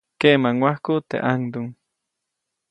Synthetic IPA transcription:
kemaŋwahkut̪ḛʔaŋd̪uŋ

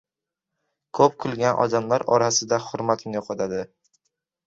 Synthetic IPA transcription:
kʰɵp̚kʰʊlˠɡʲanʔɒ̰d̪amlaɾɒɾasɪd̪ahʊɾmat̪mnoqʰɒt̪ʰad̪ɪ

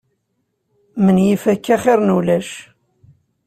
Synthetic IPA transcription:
mənjifækːæχɪɾˤnulæʃ

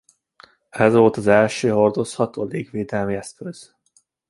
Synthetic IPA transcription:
ɛzʋo̞lt̪ɒzɛlʃøːɦo̞rd̪o̞shɒt̪oːleːɡʋeːd̪ɛlmiɛskøz̥

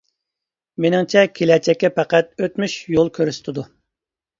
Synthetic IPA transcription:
menɪŋt͡ʃʰɛkʲʰelɛt͡ʃʰɛkʲːɛpʰæqæt̪̚øt̪myʃjolˠkʲʰøɾyst̪ʰɪd̪u

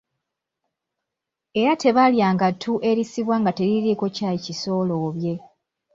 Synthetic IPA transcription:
e̞ɾate̞βaljaːŋɡatʰuʔe̞ɾisiβwaːŋɡate̞ɾiɾiko̞caeciso̞ːloːβje̞

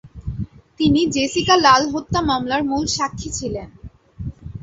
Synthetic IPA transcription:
t̪inid͡ʑesikalalɦot̪ːamamlaɾmulʃakʰːit͡ɕʰilen

